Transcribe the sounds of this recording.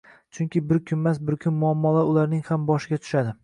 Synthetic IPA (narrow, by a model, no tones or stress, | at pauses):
t͡ʃʰʊŋkʲɪbɪɾkʲʰʊnmasbɪɾkʲʰʊnmʊamːɒlaɾʊlaɾnɪŋhambɒʃɪɡʲat̪ʰʊ̥ʃad̪ɪ